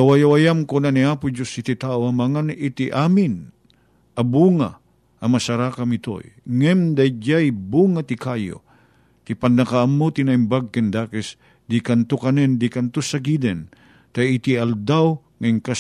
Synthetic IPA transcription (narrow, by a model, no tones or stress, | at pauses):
awajawajamkonaniaːpʊd͡ʒosit̪it̪aʔoɐmɐŋanit̪iʔaːmin | ʔɐbuŋa̰ | ɐmɐsaɾaːkamɪt̪o̰jŋɛmd̪ajd͡ʒajbuŋat̪ikajo̰ | t̪ipanːɐkaamːot̪inaimbaɡ̚kɛnd̪aːkɛs | d̪ikant̪okanɛnd̪ikant̪osaɡid̪ɛn | t̪ajɪt̪iald̪aw | ŋaiŋka